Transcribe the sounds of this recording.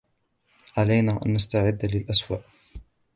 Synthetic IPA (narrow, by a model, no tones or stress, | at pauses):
ʕalajnaːʔa̰nːast̪aʕɪd̪ːlɪlʔaswaːʔ